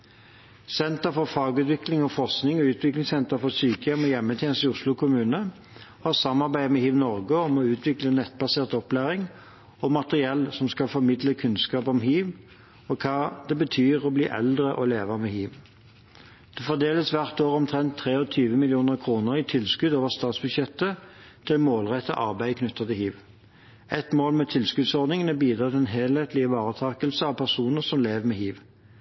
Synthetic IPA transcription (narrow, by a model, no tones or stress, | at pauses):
sɛnt̪əfɔʁfɑːɡʉːt̪ʋɪklɪŋɔfɔʁsknɪŋɔʉːt̪ʋɪklɪŋsɛnt̪əʁfɔsyːkəjɛmɔjɛmːət̪ʰjɛːnəsɪʊslʊkʰʊmʉːnə | hɑʁsɑmːɑʁbæɪmɛhiːʋnɔʁɡəɔmɔʉːt̪ʰʋɪklənɛt̪̚bɑseːʁt̪ɔplæːʁɪŋ | ɔmɑt̪əʁɪɛlsɔmskɑlfɔʁmɪd̪ləkʰʉnskɑːpɔmɦiːʋ | ɔkʰɑːd̪̥ɛbət̪ʰyːʁɔbliːʔɛ̰ld̪ʁəʔɔleːʋəmɛhiːʋ | d̪̥ɛfɔʁd̪eːləsʋæʁt̪oːʁɔmt̪ʰʁɛnt̪ʰːʁeːɔt̪ʰyːʋəmɪlɪuːnəʁkʰʁuːnəʁɪt̪ʰɪlskʉd̪oːʋəʁst̪ɑːt̪sbʉd̪ʃjɛt̪ːə | t̪ʰɪlmoːlʁɛt̪ːə̰ʔɑʁbæɪəkʰnʉt̪ːɑt̪əhiːʋ | ɛt̪moːlmɛt̪ʰɪlskʉd̪sɔʁd̪nɪŋənɛbiːd̪ʁɑːt̪ʰɪɛnɦeːlheːt̪lɪəʋɑːʁət̪ʰɑːkəlsəɑʋpʰæʁsuːnəʁsɔmleːʋəmɛhiːʋ